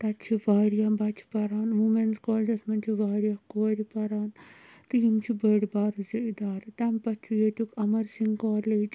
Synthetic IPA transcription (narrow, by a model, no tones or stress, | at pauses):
t̪ɐt͡ʃʰiʋaːɾjabat͡ʃʰi̥pɐɾaːnʋumenskɔːld͡ʒɐsmɐnt͡ʃʰiʋaːɾjakoːɾipɐɾaːn | t̪ɨɦimt͡ʃʰibəɽibaːɾziid̪aːɾt̪ampɐt͡ʃʰujet̪ʲukɐmɐɾsiŋɡkɔːleːd͡ʒ